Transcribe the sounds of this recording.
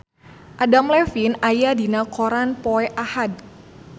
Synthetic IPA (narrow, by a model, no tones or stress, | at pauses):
ʔadamlɛfinajadinakɔɾanpɔɛʔahad̚